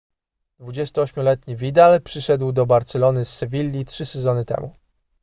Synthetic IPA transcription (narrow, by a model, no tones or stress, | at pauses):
d̪̥vud͡ʑɛst̪ʊɔɕmʲɔlɛt̪ɲivʲid̪alpʂɘʂɛd̪wd̪ɔbaɾt̪sɛlɔnɘsːɛvʲilʲːitʂɘsɛzɔnɘt̪ɛ̰mu